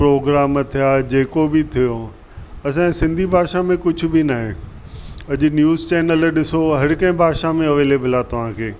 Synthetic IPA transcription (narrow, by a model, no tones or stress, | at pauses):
pɾoːɡɾaːmt̪ʰijad͡ʑeːkobɪt̪ʰijo | ɐs̬ãsɪ̃nd̪ʱibʱaːʃamẽkʊd͡ʑʱʊ̆binaːɦɪ̰ | ɐʄʊ̆njuːzt͡ɕɛːnəlɗɪsoɦɐɾɪkɐ̃ɦɪ̃bʱaːʃamẽɐʋeːleːblat̪ɐʋ̤ãːkʰeː